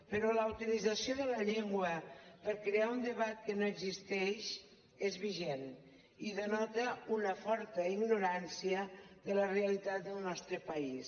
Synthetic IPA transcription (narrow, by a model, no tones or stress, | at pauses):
pəɾɔləut̪ilid͡zasijoðələʎeŋɡwəpəɾkɾeaund̪əβat̪̚kənoeɡzist̪ɛʃ | ezβiʒen | iðənɔt̪əunəfɔɾt̪əiɡnuɾansiəðələreəlit̪at̪̚d̪əlˠnɔst̪ɾəpɐis